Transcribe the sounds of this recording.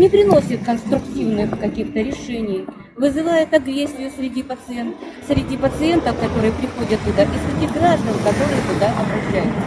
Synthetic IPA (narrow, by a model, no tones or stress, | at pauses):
nʲɪpɾʲɪno̞sʲɪt̪kənst̪ɾʊktʲivnɨxkɐkʲixt̪əɾʲɪʂɛnʲɪj | vɨzɨvajɪt̪ɐɡɾʲesʲːɪjʊsʲɾʲɪdʲipət̪sɨensʲɾʲɪdʲipət̪sɨent̪əfkɐt̪o̞ɾɨjəpɾʲɪxo̞dʲət̪ːʊd̪akɪsʲɾʲɪdʲiɡɾaʐd̪ənkɐt̪o̞ɾɨjət̪ʊd̪aʔɐbɾɐɕæjʊt̪